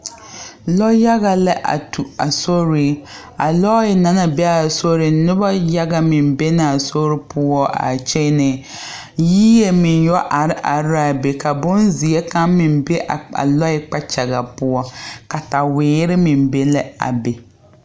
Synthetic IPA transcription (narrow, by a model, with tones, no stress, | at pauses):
lɔ˦ja˦ɣa˨la˦ʔa̰˨tu˨a˨so˦ɾi˨ | a˨lɔ˦ɪ˨na˨˦na˨bɛ˦a˨so˦ɾɪ˨nʊ˦ba˦ja˦ɡa˦mɪ˨mbe˦na˨a˨so˦ɾɪ˦pʊ˦ɔ˦a̰˨t͡ʃɛ˦nɪ˨ | jiː˦je˦mɪ˨njɔ˦ʔa˨ɾɪ˦ʔa˨ɾa˨be˨ka˨bʊ˦nzi˨e˦ka˦mmɪ˨mbe˦ʔa˨a̰˨lɔ˦ɪ˦k͡pa˦t͡ʃa˨ɣa˨pʊ˦ɔ˦ka˨ta˨wɪː˨˦ɾɪ˦mɪ˨mbe˦lɪ˦a̰˨be˨